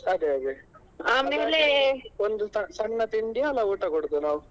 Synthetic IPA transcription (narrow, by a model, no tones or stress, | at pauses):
ɐd̪eɐd̪e | aːmeːleond̪usɐsɐɳːɐt̪iɳɖijaːlɐuːʈɐkoɽd̪unaːʋu